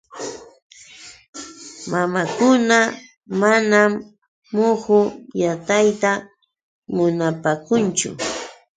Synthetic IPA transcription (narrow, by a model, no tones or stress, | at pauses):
mamakʊna | manamː | ʊhʊjat̪ajt̪a | mʊnapaːkʊnt͡ʃʊ̰